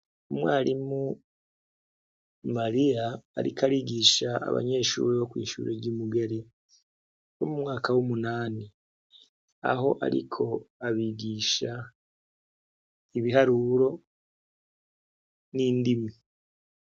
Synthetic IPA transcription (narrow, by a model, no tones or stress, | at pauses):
umwaːɾimu | maɾija̰ːɾḭkaɾiɡiːʃaʔa̰βa̰ɲe̞ːʃṵːɾiβokwḭːʃṵːɾeɾɟimuɡe̞ɾe | βomumŋaːkawumunaːni | a̰ɦo̞ʔa̰ɾḭkʰo̞aβiɡiːʃa | iβiɦaɾuɾo̞ | niːndimi